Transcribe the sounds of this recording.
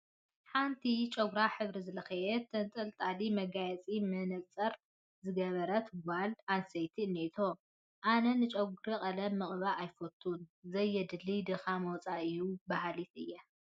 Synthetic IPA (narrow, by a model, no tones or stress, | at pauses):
ħant̪ʰit͡ʃʼɐɡɾaħɨβɾizɨlɐxɐjet̪ʰɐnt̪ʼɐlt̪ʼalimɐɡajɛt͡sʼimɨnɐt͡sʼɐɾ | zɨɡɐβɐɾɐt̪ʰɡʷalansɐjt̪ʰiɨnit̪ʰo̞ | ʔanɐnɨt͡ʃʼɐɡɾiqʼɐlɐmːɨχʼβaʔajfɐt̪ʰːunzɐjːɛd̪ɨlːid̪ɨxamɐwt͡sʼaʔɨjubahalit̪ɨ̰jːa